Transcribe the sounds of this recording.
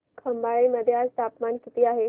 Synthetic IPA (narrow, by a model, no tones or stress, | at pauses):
kʰəmbaɭeməd̪ʱːjead͡zt̪apmankit̪iːaɦe